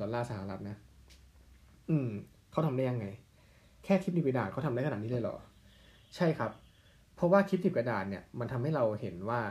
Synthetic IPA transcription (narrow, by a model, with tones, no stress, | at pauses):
ɔ˨˩˦laː˥˩sa˧˩a̰˨˩˦ɾa˦˥t̪̚na˦˥ | ʔɯː˧˩m | kʰa˦˥t̪ʰmdaː˥˩ja˧ŋːa˧j | kʰɛː˥˩kʰi˦˥p̚ni˨˩pka˧daː˨˩kɔː˥˩t̪ʰa˧mdaː˦˥˩ka˧nːa˨˩niː˦˥lɤː˧jlɔ̰ː˨˩ | t͡ɕʰa˥˩jkʰa˦˥pʰː | ɔ˦˥waː˥˩kʰi˦˥p̚ni˨˩ka˧daː˨˩t̪̚ni˥˩ɐma˧nt̪ʰmha˥˩jɾa˧whe˩˦nwaː˥˩